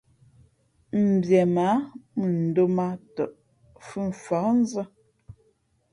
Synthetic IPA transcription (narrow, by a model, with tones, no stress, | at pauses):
m̩˨bjɛ˨ma˨˦mə˨n̩˨do˦ma˦tə̰˨ʔ | fə˦˨ɱ̩˨fa˨˦n̩˦zə˦